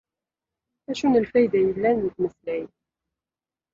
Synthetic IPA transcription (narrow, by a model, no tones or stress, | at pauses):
æʃunəlfæjd̪æjəlːænːət̪məθlæj